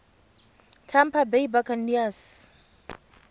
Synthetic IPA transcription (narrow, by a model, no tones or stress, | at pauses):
tʰampʰabejbakanːias